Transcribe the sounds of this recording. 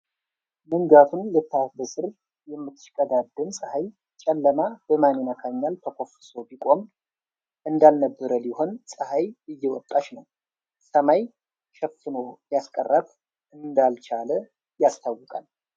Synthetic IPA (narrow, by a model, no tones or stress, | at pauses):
mɨŋɡat̪ʰunlɨt̪ʰːabəsʼɨɾ | jɛmːɨt̪ʰːɨ̥ʃkʼəd̪ad̪ːɨnsʼəhaj | t͡ʃʼɛlːəmab̥əmaninat̪ʰaɲːalt̪ʰəkʰo̞fɨsobikʼo̞m | ʔɨnd̪alnəbːəɾəliɦo̞nsʼəhajɨjːɛwɔt̪ʼːat͡ʃnəw | səmaj | ʃɛfːɨnojaskʼə̰rːat̪ | ʔɨnd̪alt͡ʃalə | jast̪ʰawːɨkʼal